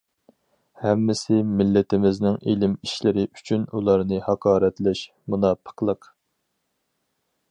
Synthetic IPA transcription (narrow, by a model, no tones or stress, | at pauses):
hɛmːɪsɪmɪlːɪt̪ɪmɪznɪŋilɪmiʃlɪɾɪʔyt͡ʃʰynulˠɑɾnɨhɑqʰɑːɾɛt̪lɪʃ | munɑpʰə̥qlˠəq